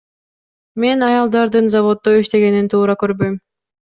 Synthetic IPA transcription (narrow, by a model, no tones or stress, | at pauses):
me̞nɑjɑlˠd̪ɑɾd̪ɯnzaβo̞t̪ːoiʃt̪e̞ɡe̞nint̪ʰuːɾɑkøɾbø̞jm